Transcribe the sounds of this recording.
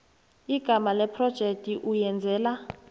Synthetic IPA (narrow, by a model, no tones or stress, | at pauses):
iɡ̥ʱamalɛpʰrɔd̥ʒ̥ʱek̚tʼiʔujɛnd͡zʱɛːla